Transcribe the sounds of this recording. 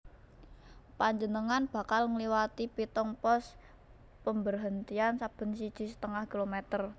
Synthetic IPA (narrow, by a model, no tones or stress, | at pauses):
paɲd͡ʒənəŋanb̥a̤kalŋəliwat̪ipit̪ɔŋpɔs | pəmbərɦənt̪iansab̥ə̤nsid̥ʒ̥i̤sə̥t̪əŋahkilomɛt̪ər